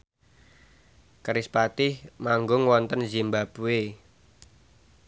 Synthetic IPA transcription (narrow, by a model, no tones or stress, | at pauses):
kəɾispat̪ɪhmaŋɡʊŋwɔnt̪ənzimbab̥uwe